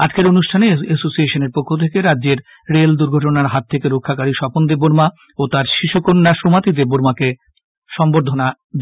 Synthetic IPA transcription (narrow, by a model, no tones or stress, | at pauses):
ad͡ʑkeɾonuʃʈʰaneesosieʃoneɾpokʰːot̪ʰekeɾadːʑeɾ | ɾeld̪uɾɡʱɔʈ̬onaɾɦat̪ʰːekeɾokʰːakaɾiʃɔpond̪eboɾma | ot̪aɾʃiʃukonːaʃɾomat̪id̪eboɾmake | ʃɔmboɾd̪ʱona | d̪